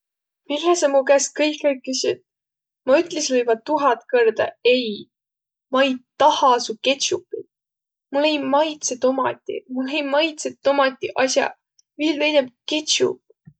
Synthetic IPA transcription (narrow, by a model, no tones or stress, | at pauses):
milːesɑmukæs̚kɤjkekːysʲid̪̥ | mɑyt̪ˑlesvɤjvɑt̪uɦɑt̪kɤrd̪̥ɑ̰e̞j | mɑj̪t̪ɑhɑsuket̪t͡ɕupːˑi | mulːejmɑjt̪set̪omɑ̰t̪ʲːˑḭmulejmɑjt̪set̪ːomɑt̪ʲːˑiʔɑsʲjɑ̰ | viːlvejneb̚ket͡ɕṵp